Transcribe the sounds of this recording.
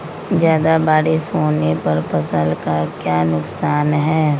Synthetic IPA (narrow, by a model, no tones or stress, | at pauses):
zjaːd̪abaːɾɪʃɦoːnepɐɾpɐsə̃lkakjaːnʊksaːnɦɛː